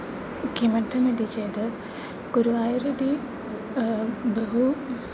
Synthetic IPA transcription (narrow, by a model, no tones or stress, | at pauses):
kimɐd̪ʱɐnɐdit͡ɕeːd̪ɨ | kuɾuaːjɾɐd̪i | bɐɦu